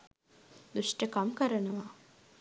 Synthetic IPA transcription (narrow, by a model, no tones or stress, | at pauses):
d̪uʂʈəkamkəɾənɐʋa